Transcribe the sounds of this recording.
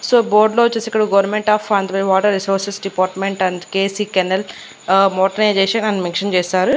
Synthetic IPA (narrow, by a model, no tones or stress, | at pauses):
soːboːɾɖlot͡ʃːesikːɐɽɐɡɐʋɐɾnmeɳʈaːfɐnd̪ɐbɐʋaːʈɐɾːisoːɾsesɖipaːɾʈmeɳʈɐɳdkeːsikɐnɐl | moːʈɐned͡ʒeːʃɐɐnːumeŋkʂɐnt͡ʃeːsaːɾu